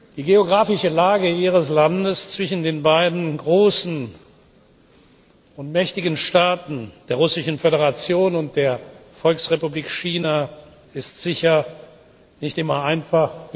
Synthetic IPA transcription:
d̥iːɡeoɡʁaːfɪʃəlaːɡəiːʁəslandəst͡sv̥ɪʃn̩deːnbaɪdn̩ɡʁoːsn̩ | ʊntmɛçtɪɡn̩ʃtaːtn̩d̥eːɐʁʊsɪʃn̩feɾeʁat͡sjoːnʊnt̚d̥eːɐfɔlksʁepubliːkʃiːna | ɪstz̥ɪçɐ | nɪçtɪmɐaɪnfaχ

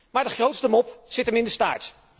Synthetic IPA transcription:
maːɹdəχrowtstəmɔpz̥ɪtəmɪndəsta̰ːɹt

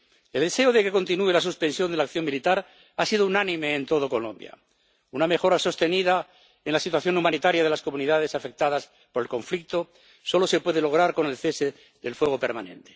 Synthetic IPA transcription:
elðese̞oð̞e̞ke̞ko̞nt̪inue̞lasuspe̞nsjo̞nd̪elakθjo̞ŋmilit̪aɾ | asiðounanĩmeːnt̪o̞ð̞oko̞lo̞̰mbja̰ | uname̞xo̞ɾaso̞st̪e̞niða | enlasit̪waθjo̞numãnit̪aɾjaðe̞lasko̞mũniðaðe̞safe̞k̚t̪aðas | po̞ɾe̞lkõ̞ɱflik̚t̪o̞ | so̞lo̞se̞pwe̞ðe̞lo̞ɣɾaɾko̞ne̞lθe̞se | ðe̞lfweɣ̞o̞pe̞ɾmanẽ̞̰nt̪e̥

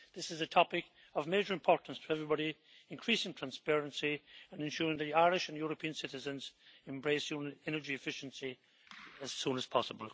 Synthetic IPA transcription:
ðɪsɨzɨtʰɑpɪk | ʌvmeɪd͡ʒə˞ɨ̃mpʰɔɹʔn̩stʰəɛvɹibɑɾi | ɨ̃nkʰɹ̥isɪ̃ŋtʰɹ̥ãnspɛɹə̃nsiə̃nɨ̃nʃʊɹɪ̃ŋðɨiaɪɹɪʃə̃njɔɹəpʰĩə̃nsɪɾɨzə̃nzɛ̃mbɹeɪsjumɛnə˞d͡ʒiɨfɪʃə̃n̩si | əz̥sũnəz̥pʰɑsəbəlˠ

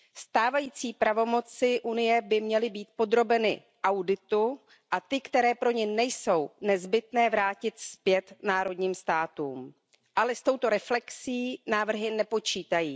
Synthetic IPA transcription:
st̪aːvajiːt͡siːpɾavo̞mo̞t͡sɪʔunɪjɛbɪmɲɛlɪbiːt̪̚po̞d̪ɾo̞bɛnɪ̰ | ʔawdɪt̪u | ʔat̪ɪkt̪ɛɾɛːpɾo̞ɲɛnɛjso̞wnɛzbɪt̪nɛːvɾaːcɪt̪spjɛt̪naːɾo̞dɲiːmst̪aːt̪uːm | ʔalɛst̪o̞wt̪o̞ɾɛflɛksiːnaːvr̩ɦɪnɛpo̞t͡ʃiːt̪ajiː

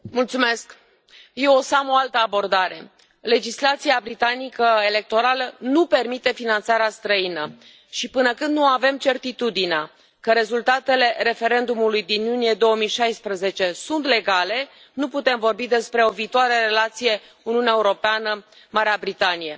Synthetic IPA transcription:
mult̪sume̞sk | je̞wosamo̞alt̪əabo̞rd̪aɾe̞ | le̞d͡ʒislat̪siabɾit̪anikəe̞le̞k̚t̪o̞ɾalənupe̞rmit̪e̞finant̪saɾeast̪ɾəinə | ʃipɨnəkɨnd̪nuave̞mt͡ʃe̞rt̪it̪ud̪inea | kəɾe̞zult̪at̪e̞le̞ɾe̞fe̞ɾe̞nd̪umulujd̪injunije̞d̪o̞wəmijʃajspɾəze̞t͡ʃe̞sunt̪le̞ɡale̞ | nuput̪e̞mvo̞rbid̪e̞spɾe̞o̞viːt̪oaɾeɾe̞lat̪sije̞ | uniuneaeuɾo̞peanə | maɾeabɾit̪anije̞

